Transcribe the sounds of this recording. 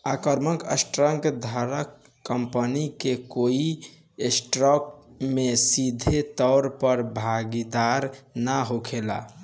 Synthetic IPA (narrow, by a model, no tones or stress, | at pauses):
akəɾməkəsʈɾəŋkd̪ʱaɾəkː | əmpənikekoi | esʈɾɔk̚mesid̪ʱet̪ɔʊɾpəɾbʱaɡid̪aɾnaɦokʰela̰